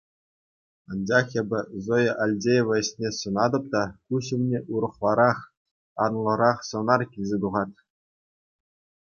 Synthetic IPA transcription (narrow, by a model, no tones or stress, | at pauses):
ɑnd͡ʑɑχebʲɘ̆zojɤʔɑlʲdʲejʋɤ̆ĕɕnʲesɤ̆nɑd̪ɤ̆p̚t̪ɑkuɕɘ̆mnʲeʔuɾɤ̆χlˠɑɾɑχ | ɑ̰nlˠɤ̆ɾɑχsɤ̆nɑrkʲilʲzʲet̪uʁɑt̪ʲ